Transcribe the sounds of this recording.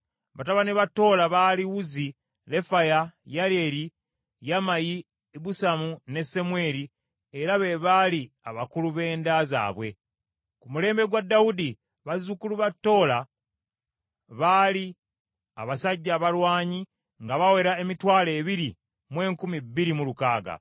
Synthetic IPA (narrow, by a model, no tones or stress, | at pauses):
βataβaneβatːo̞ːlaβaːliwuzi | le̞fajajaɾe̞ɾi | jamaji | busamune̞se̞mwe̞ːɾi | e̞ɾaβe̞βali | aβakuluβe̞ːndaza̰ːβwe̞ | kumule̞ːmbe̞ɡwadːawudi | βazukuluβatːo̞ːla | βaːli | a̰βasaɟːaːβalwaːɲi | ŋɡaβawe̞ɾae̞mitwaːle̞ːβiɾi | mwe̞ːŋkumibːiɾimulukaːɡa̰